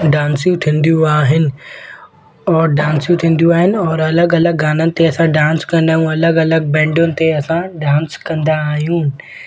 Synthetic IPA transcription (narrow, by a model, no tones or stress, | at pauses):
ɖaːnsjũt̪ʰĩːnd̪jũaːɦɪnɪ̆ | ɔːɾɖãːnsjũt̪ʰĩːnd̪ijũaːɦɪnɪ̆ɔːɾɐləɡɐləɡːaːnənɪ̆t̪eɐsãɖãːnskɐ̃nd̪aːɦijũɐləɡɐləɡ̚bɛ̃ːɳɖʊnɪ̆t̪eɐsãɖãːnskɐ̃nd̪aːɦijũː